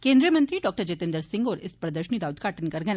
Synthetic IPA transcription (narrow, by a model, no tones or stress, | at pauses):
kẽnd̪ɾijəmənt̪ɾiːɖɔk̚ʈəɾd͡ʑet̪end̪əɾsiŋɡoɾespɾəd̪əɾɕənid̪aud̪kaʈənkəɾɡjan